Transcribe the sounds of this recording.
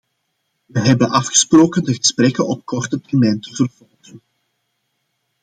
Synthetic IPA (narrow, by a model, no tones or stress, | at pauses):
ʋəɦɛbənʔɑfxə̥sproːkəndəɣəsprɛkənɔp̚kɔrtətɛrmɛjntəvərvɔlˠɣən